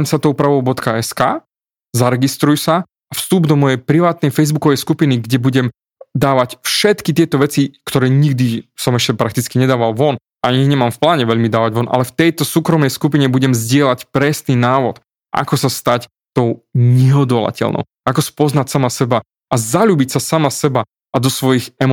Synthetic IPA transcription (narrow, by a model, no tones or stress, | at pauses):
msat̪ɔʊpɾaʋɔʊbɔt̪kaɛskaː | zaɾɛɡist̪ɾujsa | afst̪ubd̪ɔmɔjɛjpɾiʋaːt̪̚nɛjfɛjzbukɔʋɛjskupiniɡɟɛbuɟɛm | d̪aːʋacfʃɛt̪kit̪ɪɛt̪ɔʋɛt͡sikt̪ɔɾɛːɲiɡd̪isɔmɛʃcɛpɾakt̪it͡skiɲɛd̪aːʋalʋɔn | aɲiɲɛmamfplaːɲɛʋɛʎmid̪aːʋaɟʋɔnʔa̰lɛft̪ɛjt̪ɔsuːkɾɔmnɛjskupiɲɛbuɟɛmzɟɪɛlacpɾɛsninaːʋɔt̪ | ʔa̰kɔsast̪ac | t̪ɔʊɲɛɦɔd̪ɔla̰cɛ̰lnɔ̰ʊakɔspɔznacsamasɛba | azaʎuːbicsasamasɛba | ad̪ɔsʋɔjiɣɛm